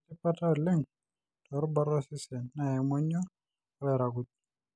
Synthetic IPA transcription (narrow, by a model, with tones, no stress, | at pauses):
tɪ˦pa˦ta˦˨lɪ˦ŋ | tɔ˨ɾba˦ɾɔ˦sɪ˦sɛ˨nːa˨ɛ˨mɔ˦ɲɔ˦ | wɛ˨ɾa˨ɡu˨t̚